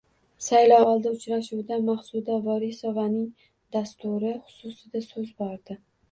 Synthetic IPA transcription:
sajlɒɒlˠd̪aʊt͡ʃɾaʃuwd̪amaχsud̪avɒɾisɒvanɪŋ | d̪ast̪ʊɾɪχʊ̥sʊsɪd̪asɵzbɒɾd̪ɪ

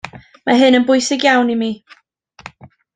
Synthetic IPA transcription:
maɦɨnənbʊɨsɪɡjawnimi

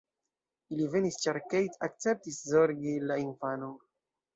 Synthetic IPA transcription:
ilivenist͡ʃaɾkejtak̚t͡sep̚tiszoɾɡilainfano

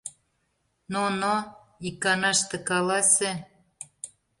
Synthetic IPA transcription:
nono | ikːɑnɑʃt̪ĕkɑlɑsʲĕ

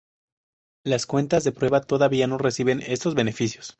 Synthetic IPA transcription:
laskwe̞nt̪azðe̞pɾwe̞βat̪o̞ðaβiano̞re̞siβe̞ne̞st̪o̞zβe̞nefisjo̞s

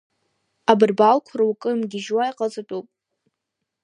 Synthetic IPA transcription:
abɨrbalkʷʰraukʼɨmɡʲɪʒwajqʼazɨtʼupʼ

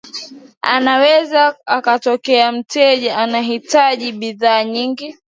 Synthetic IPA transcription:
a̰nawɛzaakatɔkɛam̩tɛʄaanaɦitaʄiɓiðaːɲiŋɡi

